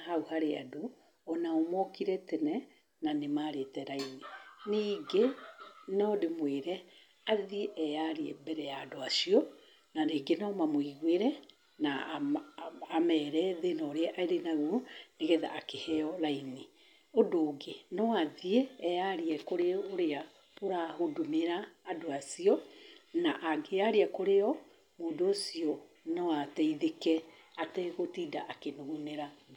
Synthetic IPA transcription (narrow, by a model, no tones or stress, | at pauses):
hauhaɾea̰do | ɔnaomɔkiɾɛtɛnɛ | nanemaɾetɛɾaininiɡenɔdemweɾɛ | aðieʔɛjaɾiɛ̰bɛɾɛjaːdoasiɔ | naneɡenɔmamwiɣweɾɛ | na | amɛːɾɛðenɔɾeɛʔaeɾenaɣuneɣɛða̰ʔakehɛɔɾaini | odoːɡenɔaðieːjaɾiɛkoɾeoɾea | poɾahodumeɾaːdoasiɔnaʔaɡeaɾiakoɾeɔ | moːdoːsiɔ | nɔwatɛiðekɛ | atɛɣotiːdaʔakenuɣuneɾa